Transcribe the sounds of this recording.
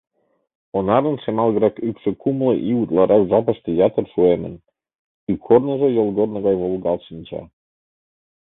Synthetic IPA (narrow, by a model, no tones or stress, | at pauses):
onɑɾə̆nʃemɑlˠɣəɾɑkykʃĕkumlɤʔiut̪lɑɾʔɑkʒɑpəʃt̪ĕjɑt̪ərʃuemə̰̆n | ikʰornə̆ʒojolˠɣornə̆ɣɑjβolˠɣɑlʃinʲt͡ɕɑ̰